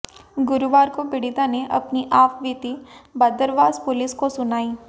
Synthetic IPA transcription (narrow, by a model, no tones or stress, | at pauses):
ɡʊɾuʋaːɾkobɪɽid̪aneʔɐpniʔaːfbiːt̪ibɐd̪əɾʋaːzpʊlɪskosʊnaːiː